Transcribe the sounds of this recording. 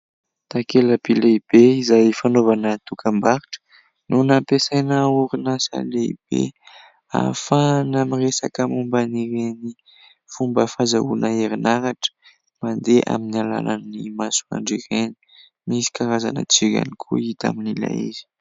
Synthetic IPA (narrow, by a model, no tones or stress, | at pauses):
t̪akeləbileib̥eizajfanovanət̪ukʰambaɾiʈ͡ʂə̥ | nʔunapesajnəuɾinasa̰leib̥ḛ | a̰fanamiresakəmumbaniɾeni | fumbəfazaunəeɾinaɾaʈ͡ʂə̥ | mand̪eʔa̰minala̰lannimasu̥a̰ɳɖ͡ʐireni̥ | misi̥kaɾazanə̰t͡sika̰nikʰṵit̪a̰minila̰ḭzi̥